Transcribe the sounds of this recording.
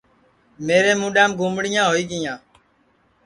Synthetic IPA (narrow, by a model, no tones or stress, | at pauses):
meːɾẽːmũːɗɛːmɡʱũːmɽɪjãːɦoːiːɠɪjãː